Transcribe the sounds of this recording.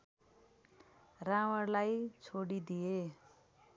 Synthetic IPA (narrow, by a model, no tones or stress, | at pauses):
rawʌrlajt͡sʰoɽid̪ije